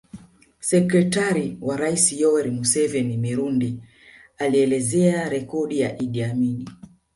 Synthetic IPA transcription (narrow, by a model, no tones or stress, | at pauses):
sɛkɾɛtaɾiwaɾaisijɔɛɾimusɛvɛnimiɾundi | aliɛlɛzɛaɾɛkɔɗijaʔiɗiamini